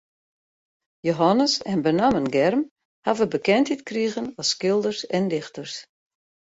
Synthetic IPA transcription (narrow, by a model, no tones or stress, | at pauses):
joɦanəsɛnbənamənɡɛrm | havəbəkɛntitkriəɣənɔskɪlˠdərsɛndɪxtərs